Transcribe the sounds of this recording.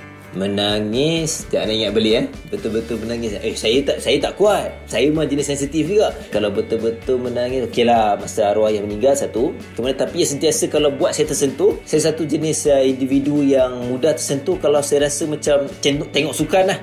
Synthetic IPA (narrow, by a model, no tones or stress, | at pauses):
mənaŋɪst̪aʔnaiŋaʔbəlɪa | bət̪ʊlbət̪ʊlmənaŋɪsəsajət̪aʔsajət̪aʔkuat̪̚sajəmad͡ʒənɪsɛnsit̪ifɡaʔkalawbət̪ʊlbət̪ʊlmənaŋɪsokelahmasaɾoajamənĩŋɡalsat̪u | kəmanat̪apijasənt̪iasəkalawbuat̪̚sajat̪ərsənt̪usajas̬at̪ud͡ʒənɪsəindividujaŋmudaht̪ərsənt̪ukalawsajəɾasəmat͡ʃamt̪ɛnʔt̪eŋɔʔsukanlah